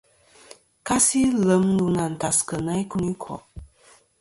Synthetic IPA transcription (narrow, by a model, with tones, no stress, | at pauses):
ka˦si˦lə˨˦mnu˨na˨n̩˨ta˨skə˨na˦i˦ku˦ni˦kʰɔ̰˨ʔ